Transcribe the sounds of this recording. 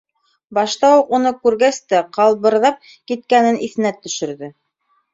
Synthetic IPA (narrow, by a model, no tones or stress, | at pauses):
bɑʃt̪ɑwuqunɤkʉɾɡæst̪æqɑlˠβɤ̆ɾðɑp̚ | kit̪̚kænɘnʔiθɘ̆næt̪ːɵ̆ʃɵ̆ɾðɘ